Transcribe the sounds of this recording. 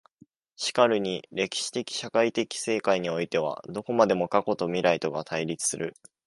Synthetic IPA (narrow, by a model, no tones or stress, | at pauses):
ɕi̥kaɾɯ̟ɲ̟iɾe̞kʲi̥ɕi̥t̪e̞kʲi̥ɕakait̪e̞kʲi̥se̞ːkaiɲ̟io̞it̪e̞β̞a̰d̪o̞ko̞mad̪e̞mo̞kako̞t̪o̞mʲiɾait̪o̞ɡat̪ʰaiɾʲit͡sɨ̥sɨɾɯ̟